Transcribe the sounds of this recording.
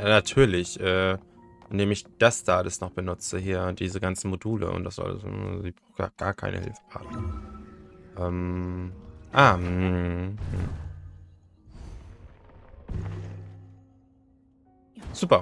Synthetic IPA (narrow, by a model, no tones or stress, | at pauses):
jaːnatʰyːɐlɪçʔɛː | ʔɪndeːmɪçd̥astaːdɪsnɔχb̥ənʊt͡səhiːɐdiːzəɡant͡sn̩moduːlə̰ʔʊ̰nt̚d̥asz̥ɔ̰lzɪ̥aʊxɡ̥a̰ːɡ̥aːɐkʰa̰ɪnʔə̰hɪ̰lfə̥pʰa̰ːtnə | ʔɛːm | ʔaːm̩h̩ | z̥uːpɐ